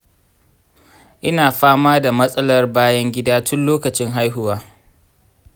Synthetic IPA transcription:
ʔɪ˦naː˨ɸaː˦maː˦da˨mɐ˦sʼɐ˦lɐ˦rbaː˦jɐ˦ŋɡʲɪ˦daː˦tʰʊ˦nloː˦kɐ˨t͡ʃɪ˦ŋɦa˦jɦʊ˦waː˦

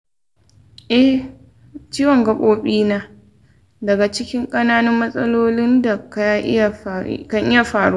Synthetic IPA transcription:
ʔɛ˦h | t͡ʃiː˦wɐ˨ŋɡɐ˨kʼoː˦ɓʼiː˦naː˦ | dɐ˨ɡa˨t͡ʃɪ˦kʲɪ˦ŋkʼɐ˦naː˦nɪ˦mːɐ˦sʼɐ˦loː˦lɪ˦nda˨ka˦ja˦ʔɪ̰˦ja˨kɐ˦˨ŋʔɪ˦ja˨ɸaː˨ɽoː˦

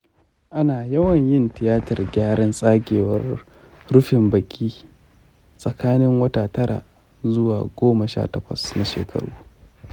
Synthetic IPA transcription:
ʔa˦naː˨jɐ˦wɐ˨ɲjɪ˦ntɪ˨jaː˦tɐ˨rɡʲaː˦ɽɐ˦nsʼaː˦ɡʲeː˨wɐ˦r | ɽʊ˦ɸɪ˨mbɐ˨kʲʼiː˦ | sʼɐ˨kaː˦nɪ˦ŋwɐ˦taː˨tɐ˦ɽa̰˨ʔ | zʊ˦waː˨ɡʷoː˦mɐ˨ʃa̰ː˦tɐ˨kʷɐ̰˨sna˨ʃḛː˨kʰɐ̰˨˦ɽṵː˦

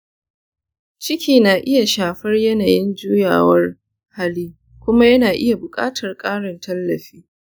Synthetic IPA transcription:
t͡ʃɪ˦kʲiː˨naː˨ʔɪ˦ja˨ʃaː˨ɸɐ˦rjɐ˦naː˨jɪ˦nd͡ʒuː˦ja̰ː˨wɐ˦r | ha˦liː˦ | kʷʊ˦ma˦jɐ˦naː˨ʔɪ˦ja˨bʊ˨kʼa̰ː˦tʰɐ˨rkʼaː˦ɽɪ˨ntʰɐ˦lːɐ˨ɸiː˦

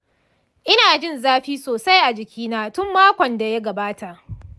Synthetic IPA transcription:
ʔɪ˦naː˨d͡ʒɪ˦˨nzaː˦ɸiː˦soː˨sa˦jʔa˨d͡ʒɪ˨kʲʰiː˦naː˦tʊ˦mːaː˦kʷɔ˨nda˨ja˦ɡɐ˨baː˦ta˨ʔ

